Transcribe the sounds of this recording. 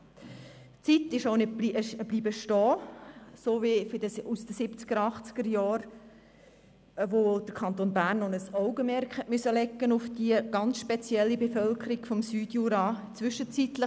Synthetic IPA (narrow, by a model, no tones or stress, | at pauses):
t͡sitɪʃoʊnɪbiəʃb̥liːbəʃtɔːsoːʋifdəusd̥əsɪpt͡sɡ̥əɾɑχt͡sɡ̥əɾjɑːɾ | ʋod̥̪əɾkʰɑnt̪onbæːɾnonəsɔʊɡəmɛɾkχhɛʔmysəlɛkːənʊfd̥iəɡ̥ɑnt͡sʃpɛt͡sjɛlːibefœlkʰəɾiɡ̥fɔmsyːdjuːɾɑːt͡sʋʏʃət͡sit̪lə